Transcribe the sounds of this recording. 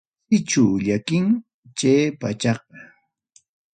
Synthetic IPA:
ɪt͡ʃawʎakɪŋ | t͡ʃeːpat͡ʃɑq̚ɑ

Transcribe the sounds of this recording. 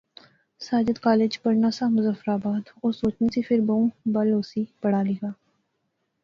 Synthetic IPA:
saːd͡ʒəd̪kaːleːd͡ʒpɐɾnaːsamʊzəfɾaːbaːd̪ɔːɾsoːt͡ʃnisepʰɪɾbɐũbɐloːsibɐɽ̤aːliːɡaː

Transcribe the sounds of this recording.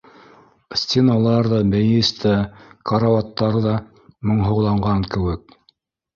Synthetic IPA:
sʲt̪ʲenalˠɑɾðɑbæjɘst̪ʰækɑɾavɑt̪ːɑɾðɑ | mŏɴɦŏwlˠɑɴɢɑŋkɘ̆wɘk̚

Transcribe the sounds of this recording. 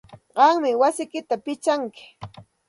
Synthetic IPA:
ɢɑŋmɪwasɪkɪt̪apɪt͡ʃaŋkɪ̥

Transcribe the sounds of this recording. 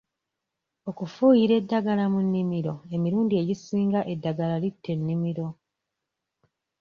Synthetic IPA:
o̞kufuːjiɾe̞dːaɡalamunːimiɾo̞e̞miɾuːndie̞ɟisiːŋɡaʔe̞dːaɡalalitːe̞nːimiɾo̞

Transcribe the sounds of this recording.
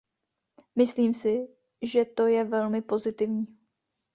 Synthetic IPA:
mɪsliːmsɪ | ʒɛt̪o̞jɛvɛlmɪpo̞zɪt̪ɪvɲiː

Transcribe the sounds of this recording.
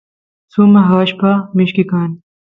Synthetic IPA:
suːmɐɦaːɕpaːmiɕkikaːn

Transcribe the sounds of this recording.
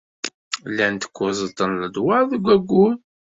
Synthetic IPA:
lːænt̪ə̥kʷːʊzˤət̪ːənləd̪waɾðəɡʷːæɡʷːuð

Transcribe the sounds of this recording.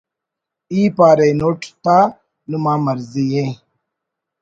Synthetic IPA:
iːpaːɾenoʈʰt̪a | numãːmɐɾzijẽ

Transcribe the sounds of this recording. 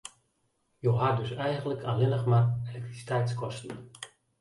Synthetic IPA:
joɦadøsɛjɣənləkʰalɪnəxmarelɛk̚trisi̥tɛjtskʰɔstn̩

